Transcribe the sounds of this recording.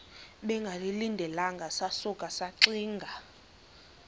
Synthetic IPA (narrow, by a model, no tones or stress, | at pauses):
ɓɛŋɡʱalilindʱɛlaŋɡʱasasukʼasaǀiːŋɡʱa